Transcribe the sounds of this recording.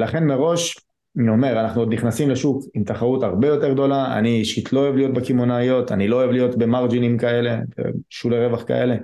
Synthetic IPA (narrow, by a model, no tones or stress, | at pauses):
laχe̞nme̞ʁo̞ʃ | nio̞me̞ʁanaχnuod̪niχnasimle̞ʃukimt̪aχaʁutaʁbe̞jo̞te̞ʁɡ̚d̪o̞laa̰niʃit̪lo̞oevlijo̞t̪̚bekimonajo̞t̪a̰nilo̞oevlijo̞t̪be̞maʁd͡ʒinimkae̞le̞bḛʃuleʁevaχka̰ʔe̞le̞